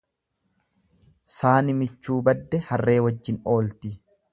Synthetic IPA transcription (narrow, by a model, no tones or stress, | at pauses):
saːnɪmɪt͡ʃːuːbɐd̪ːɛhɐrːe̞ːwɐd͡ʒːɪno̞ːlt̪ɪ